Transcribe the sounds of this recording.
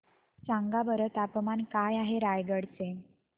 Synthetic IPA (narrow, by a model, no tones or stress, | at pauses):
t͡sãŋɡabəɾət̪apmankajaɦeɾajɡəɽt͡se